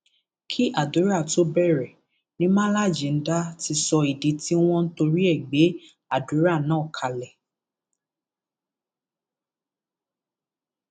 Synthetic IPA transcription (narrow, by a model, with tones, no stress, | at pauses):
kʰi˦ʔa˦˨du˨˦ɾa˦˨to˨˦bɛ˦˨ɾɛ˨ | nĩ˦mã˦la˦˨d͡ʒĩ˨n̩˦da˦ti˧sɔ˧i˨di˨˦ti˦w̃ɔ̃˦n̩˦to˧ɾi˦ɛ˦˨ɡ͡be˨˦ | a˦˨du˨˦ɾa˦˨nãː˦˨kʰa˧lɛ˨